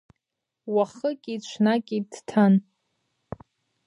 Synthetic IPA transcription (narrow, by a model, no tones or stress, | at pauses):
waχəkʲʼit͡ʃʷʰnakʲʼidtʰan